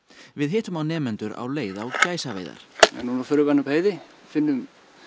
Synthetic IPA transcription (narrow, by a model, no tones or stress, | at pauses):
vɪðɦɪːht̪ʏmawnɛːmɛnt̪ʏɾa̰wleːjðawcaːjsavḛːjða̰ɾ̥ɛ̰nːunafœɾʏpanapheːjðɪ | fɪnːʏm